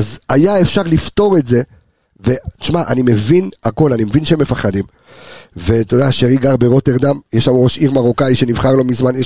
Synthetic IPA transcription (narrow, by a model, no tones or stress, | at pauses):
zajae̞fʃaʁlifto̞ʁe̞tze̞ | ve̞ti̥ʃmaʔa̰nime̞vinako̞lanimevinʃeeme̞faχad̪im | ve̞t̪odaʃeʁiɡaʁbeʁo̞t̪eʁd̪amjɛʃamʁo̞ʃiʁmaʁokajʃe̞nivχaʁlo̞mizmanje